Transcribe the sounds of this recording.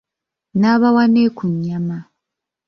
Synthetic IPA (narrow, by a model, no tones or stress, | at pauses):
naːβawaneːkuɲːama